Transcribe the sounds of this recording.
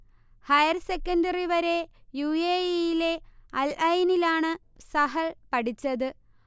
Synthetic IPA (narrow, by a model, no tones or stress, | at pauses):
hɐjɐrsekːɐndɐriʋɐɾe̞juːeːijile̞ɐlɐjnilaːɳɨ | sɐɦɐɭpɐʈit͡ɕːɐðɨ